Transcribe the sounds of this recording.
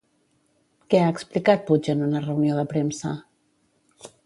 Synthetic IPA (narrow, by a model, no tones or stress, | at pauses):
kɛaəksplikat̪̚pud͡ʒənunərəwnioðəpɾemsə̰